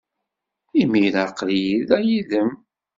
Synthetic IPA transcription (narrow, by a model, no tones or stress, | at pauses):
imilaqljiðæjiðəm